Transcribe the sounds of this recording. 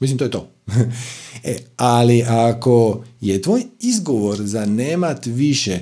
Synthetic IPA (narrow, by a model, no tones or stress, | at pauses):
mis̬imt̪ojet̪oː | ealiʔako̞jet̪ʋoːjizɡo̞ʋo̞ɾzaneːmat̪ʋiʃe